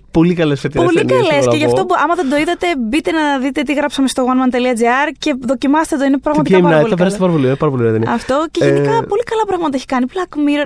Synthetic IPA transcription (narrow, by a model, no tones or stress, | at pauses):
po̞likɐlesfet̪ipolikɐlesceʝɐft̪oɐmɐðend̪oiðɐt̪e̞bit̪e̞nɐðit̪e̞t̪iɣɾɐpsɐme̞st̪oɣwɐnmɐnt̪eliɐd͡ziɐɾce̞ðo̞cimɐst̪et̪oinepɾɐɣmɐt̪ɐmɐnɐɐpeɾɐst̪pɐɾɐpolinpɐɾɐpoliðenɐft̪o̞ceʝenikɐpo̞likɐlɐpɾɐɣmɐt̪ɐeçi̥kɐniblɐkmiɾ